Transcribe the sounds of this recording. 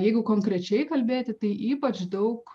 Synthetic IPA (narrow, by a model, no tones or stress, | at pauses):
jɛɪɡʊkoːŋkɾʲɛt͡ʃʲɛɪkɐlʲbʲeːt̪ʲɪt̪ɐɪʔiːpɐt͡ʃd̪ɐʊk